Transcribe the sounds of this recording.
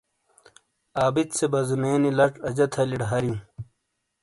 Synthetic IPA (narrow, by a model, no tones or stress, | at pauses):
aːbit̪sebɐzimeːnilɐʈɐd͡ʑɐt̪ʰɐliɖɦɐɾijũ